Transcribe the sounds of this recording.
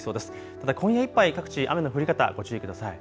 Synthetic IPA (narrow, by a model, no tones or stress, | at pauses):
so̞ːd̪esɨ̥ | tt̪ad̪akʰõ̞jaipːaikakɯ̟̥t͡ɕiʔa̰me̞noɸɯɾʲikat̪a̰ɡo̞t͡ɕɨːikɯd̪asai